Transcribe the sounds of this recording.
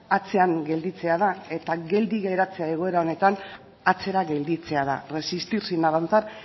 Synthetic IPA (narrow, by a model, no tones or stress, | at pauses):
at͡se̞aŋɡe̞ld̪it͡se̞að̞ae̞t̪aɡe̞ld̪iɣejɾat͡se̞aeɣ̞o̞e̞ɾao̞ne̞t̪an | at͡se̞ɾaɣe̞ld̪it͡se̞aða̰re̞sist̪iɾsinaβant͡saɾ